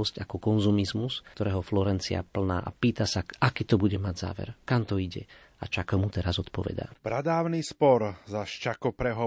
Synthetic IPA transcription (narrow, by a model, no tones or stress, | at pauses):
ɔscakɔkɔnzumizmust̪ɔɾɛːɦɔflɔɾɛnt͡sḭa̰pl̩na̰ːʔapiːt̪asaʔakiːt̪ɔbuɟɛmaɟza̰ːʋɛ̰ɾkamt̪ɔiɟɛ̰ | at͡ʃakɔmut̪ɛɾazɔt̪pɔʋɛ̰d̪a̰ːb̥ɾad̪aːʊnispɔɾzaʃt͡ʃakɔpɾɛɦɔ